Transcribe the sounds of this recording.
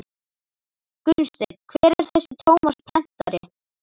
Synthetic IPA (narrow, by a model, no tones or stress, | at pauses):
kʏnst̪ɪkʰvɛːɾɛɾ̥θɛsːɪt̪ʰoːwmaspʰɾɛn̥t̪aɾɪ